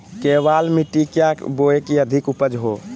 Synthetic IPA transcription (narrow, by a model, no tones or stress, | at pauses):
keʋalmiʈikjakboekiəd̪ʱikupəd͡ʒɦo